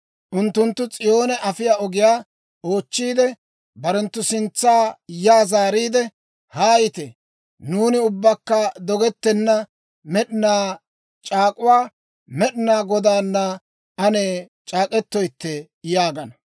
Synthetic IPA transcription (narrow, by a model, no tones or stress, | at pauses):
ʔʊnt̪ːʊnt̪ːʊt͡sʼɪjo̞ːnɛʔɐfɪjaːɔɡɪjaː | o̞ːt͡ʃːiːd̪ɛ | bɐɾɛnt̪ːʊsɪnt͡sːaːjaːzaːɾiːd̪ɛ | haːjɪt̪ɛ | nuːnɪʊbːɐkːɐd̪ɔɡɛt̪ːɛnːɐ | mɛɗɪnaː | t͡ʃʼaːkʼʊwaː | mɛɗɪnaːɡɔd̪aːnːɐ | ɐneː | t͡ʃʼaːkʼɛt̪ːɔjt̪ːɛ | jaːɡɐnɐ